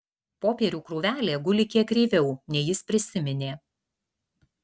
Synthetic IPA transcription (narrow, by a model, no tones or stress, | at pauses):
poːpʲeːɾʲuːkɾuːʋʲæːlʲeːɡʊlʲɪkʲiɛkːɾʲeːʋʲɛʊnʲɛjɪspʲɾʲɪsʲɪmʲɪnʲeː